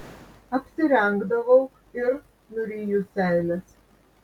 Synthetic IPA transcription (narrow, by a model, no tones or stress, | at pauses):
ɐpʲsʲɪɾʲɛŋɡd̪ɐʋɐʊ | ɪɾ | nʊɾʲiːjusʲæˑɪlʲɛs